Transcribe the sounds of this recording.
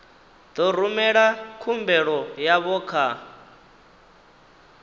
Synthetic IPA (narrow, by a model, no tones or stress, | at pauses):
d̪̥ɔɾ̤umɛɺakʰumbɛɺɔjaβɔːkʰa